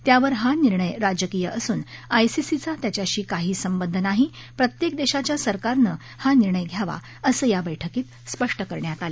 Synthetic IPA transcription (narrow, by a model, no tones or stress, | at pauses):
t̪jaʋəɾɦaniɾɳəjɾad͡ʑəkijəʔəsuːnajsisit͡sat̪jat͡ɕjaɕiːkaɦiːsəmbənd̪ʱənaɦi | pɾət̪jekd̪eɕat͡ɕjasəɾkaɾnə | haniɾɳəjɡʱjaʋa̰ | əsəːjabəjʈʰəkiːt̪̚ | spəʂʈəkəɾɳjat̪ale